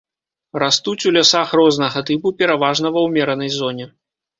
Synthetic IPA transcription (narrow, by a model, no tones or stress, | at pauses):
rast̪ut͡sʲulʲasaxrɔznɐɣɐt̪ɨpupʲɛɾavaʐnɐvɐwmʲɛɾɐnɐjzɔnʲɛ